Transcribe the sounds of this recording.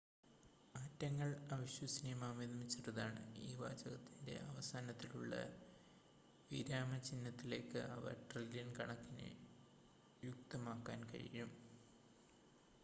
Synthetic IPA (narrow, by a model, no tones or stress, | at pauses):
aːtːɐŋːɐɭɐʋiɕwɐsinimaːmiðɐmit͡ɕːɐrɐðaːɳɨ̰iːba̰ːd͡ʑɐɣɐt̪ːinde̞̰ʔɐʋɐsaːnɐt̪ːiluɭːɐ̰ | ʋiɾaːmɐt͡ɕinːɐt̪ːile̞ːkːɨ̰ʔɐ̰ʋɐ̰ʈrɐllinkɐɳɐkːinɨ̰ | juk̚t̪ɐmaːkːa̰ːnkɐ̰ɻḭjum